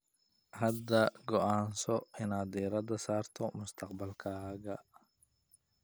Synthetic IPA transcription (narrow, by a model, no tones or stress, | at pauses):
hɐd̪ɐɡɔʔaːnsɔɪnaːd̪ɛːɾɐd̪ɐsaːrt̪ʰɔmʊst̪ʰɐqbɐlkʰaːɡɐ